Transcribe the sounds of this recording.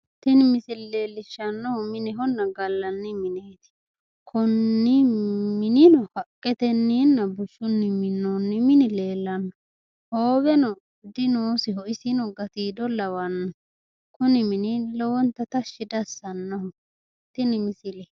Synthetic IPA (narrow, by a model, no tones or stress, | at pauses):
t̪ɪnɪmɪsɪlle̞ːlːɪʃːɐnːɔhɔmɪnɛɦɔnːɐɡɐlːɐnːɪmɪneːt̪ɪ̥ | kʰɔnːɪmɪnɪnɔhɐkʼːɛt̪ɛnːiːnːɐbʊʃʊnːɪmɪnːɔnːɪmɪnɪle̞ːlːɐnːɔ | hoːbɛnɔ | d̪ɪnoːsɪɦɔɪsɪnɔɡɐt̪iːd̪ɔlːɐwɐnːɔ | kʊnɪmɪnɪlɔwɔnt̪ːɐt̪ɐʃːɪd̪ɐsːɐnːɔhɔ | t̪ɪnɪmɪsɪlɛ